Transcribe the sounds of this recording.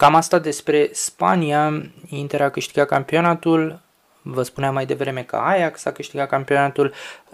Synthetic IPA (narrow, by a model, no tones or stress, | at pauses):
kamast̪ad̪e̞spɾe̞spa̰niaint̪eɾakɨʃt̪iɡat̚kampio̞nat̪ul | vəspuneamːajd̪e̞vɾe̞me̞kə̰ajaksakɨʃt̪iɡatkampio̞nat̪ul